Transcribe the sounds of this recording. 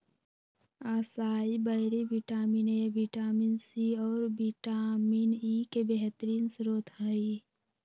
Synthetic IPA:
asaːibəɦɾebiʈaːminebiʈaːminsiɔːɾbiʈaːmiːnikebeɦt̪əɾiːnsɾoːt̪ʰɦai

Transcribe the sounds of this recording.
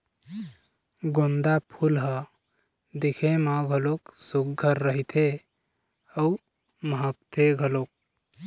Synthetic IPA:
ɡond̪apʰulɦə | d̪ikʰemãɡʱəloksuk̚ɡʱəɾːəɦit̪ʰe | əu | məɦək̚t̪ʰeɡʱəlok̚

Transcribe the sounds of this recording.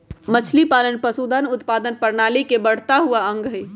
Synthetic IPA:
mət͡ʃʰlipaːlənpəsud̪anʊt̪paːd̪ənpəɾnaːlikebəɽ̤t̪aɦuaə̃ŋɡɦə

